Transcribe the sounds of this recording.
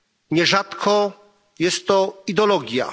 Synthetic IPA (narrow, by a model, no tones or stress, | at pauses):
ɲɛʐat̪kʰɔ | jɛst̪ːɔid̪ɔlɔɡʲja̰